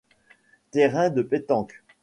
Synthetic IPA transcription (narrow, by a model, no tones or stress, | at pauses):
t̪eʁɛ̃d̪əpet̪ɑ̃k